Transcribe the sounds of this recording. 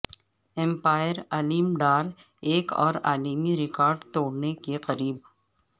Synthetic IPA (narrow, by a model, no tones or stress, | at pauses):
ɛ̃mpaːjəɾaliːmɖaːɾ | eːkɔ̰ːɾaːlimiɾɪkɔːɾɖt̪oːɽnekeqɐɾiːb̚